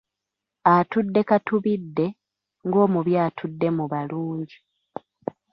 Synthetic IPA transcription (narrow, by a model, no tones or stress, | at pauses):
atudːe̞katuβidːe̞ | ŋɡo̞ːmuβjaːtʰudːe̞muβaluːɲɟi